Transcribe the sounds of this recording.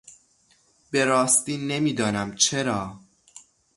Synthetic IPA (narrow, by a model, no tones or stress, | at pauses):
be̞ɾɒːst̪iːne̞miːd̪ɒːnæmt͡ʃʰe̞ɾɒː